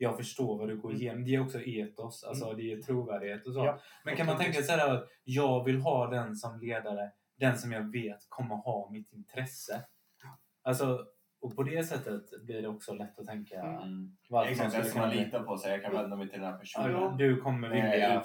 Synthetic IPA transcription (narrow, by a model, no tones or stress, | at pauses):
jɑːɡfœʂʈoːɾvaɖɵɡoːɾɪjeːnɔmd̪ɛæɾɔksɔʔeːt̪ɔsa̰lsɔd̪ɛæɾt̪ʰɾuːvæːɖɪheːt̪ɔs̬oːmɛnkʰanmant̪ʰɛŋkːasɛdæːɾat̪ | jɑːɡvɪlɦɑːd̪ɛnsɔmleːd̪aɾə | d̪ɛnsɔmjɑːɡveːt̪kʰɔmːəhɑːmɪt̪ːɪnt̪ʰɾɛsːə | alsɔ | ɔpʰɔd̪ɛsɛt̪ːət̪blɪɖɛɔksɔlɛt̪ːɔt̪ʰɛŋkavaɾɔmaliːt̪apʰɔsɛjɑkʰanvɛnd̪amɛjt̪ʰɪld̪ɛnæɾpʰæʂd̪ɵkʰɔmːəɾvɪlda